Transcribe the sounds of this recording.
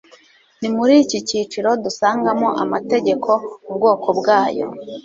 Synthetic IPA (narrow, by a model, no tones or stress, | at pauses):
nimuɾiːciciːt͡ʃiɾo̞dusaːŋɡamo̞ʔa̰mate̞ɟe̞kʰo̞ub̚ɡo̞ːkʰo̞bɡaːjo̞̰